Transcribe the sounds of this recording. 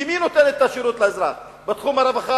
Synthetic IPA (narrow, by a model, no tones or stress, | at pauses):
imino̞t̪enet̪ːaʃiɾut̪laezɾaχ | bet̪χumaɾavaχa